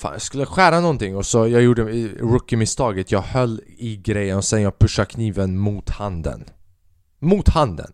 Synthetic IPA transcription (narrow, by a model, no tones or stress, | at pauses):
fa̰ːjɑ̰skɵlːəjaɧæːɾanɔnt̪ɪŋːɔsɔjɑːjuːɖəɾɵkːɪmɪst̪ɑːɡət̪ʰjɑːɡhœlːɪɡɾɛjːənɔsɛnjɑːɡ̚pʰɵʂːakʰniːvənmuːt̪hand̪ə̰n | muːt̪hand̪ə̰n